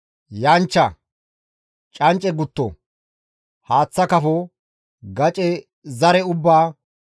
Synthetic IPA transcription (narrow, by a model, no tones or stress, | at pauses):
jɐnt͡ʃːɐ | t͡ʃʼɐnt͡ʃʼːɛɡʊt̪ːɔ̰ | haːt͡sːɐkɐfɔ | ɡɐt͡ʃʼɛ | zɐɾɛʊbːaː